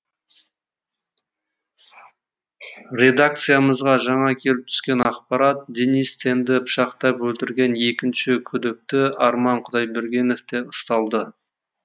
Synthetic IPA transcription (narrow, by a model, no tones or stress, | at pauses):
ɾʲe̞d̪ak̚t̪sɨjaməzʁɑʒɑɴɑkʲʰe̞lɪp̚t̪ʰʏ̥skʲe̞nɑqpɑɾɑt̪̚d̪ʲenist̪ʰe̞nd̪ɪpʃɑqt̪ɑpwɵlt̪ɪɾɡʲe̞nje̞kʲɪnʃɪkʲʰʏd̪ɪk̚t̪ɪɑɾmɑɴqʰʊd̪ɑjbeɾɡʲe̞nofd̪e̞ʊst̪ɑlˠd̪ə